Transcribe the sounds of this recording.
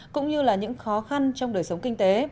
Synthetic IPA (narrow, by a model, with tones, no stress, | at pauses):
kʊ̰˧˥ŋ͡mɲɨ˧laː˨˩ɲɨ̰˧˥ŋxɔ˨˦xa˧nt͡ɕɔ˧wŋ͡mɗəː˨˩jsə˨˦wŋ͡mkï˧ŋ̟t̪e˨˦